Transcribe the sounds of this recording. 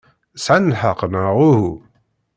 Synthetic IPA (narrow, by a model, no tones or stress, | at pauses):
sʕanəlħəqːnəʁuhu